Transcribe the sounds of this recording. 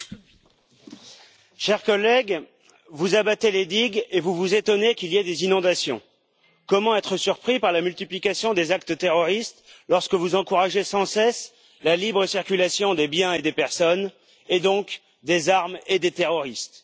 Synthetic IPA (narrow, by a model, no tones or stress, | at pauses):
ʃɛʁkɔlɛɡ | vuzabat̪eled̪iɡevuvuzet̪ɔnekʲiliɛd̪ezinɔ̃d̪asjɔ̰̃ | kɔmɑ̃ɛt̪χəsyʁpχipaʁlamylt̪iplikʲasjɔ̃d̪ezak̚t̪ət̪eʁɔʁist̪lɔʁskəvuzɑ̃kuʁaʒesɑ̃sɛs | lalibʁəsiʁkʲylasjɔ̃d̪ebjɛ̃ed̪epɛʁsɔn | ed̪ɔ̃k | d̪ezaʁmed̪et̪eʁɔʁist̪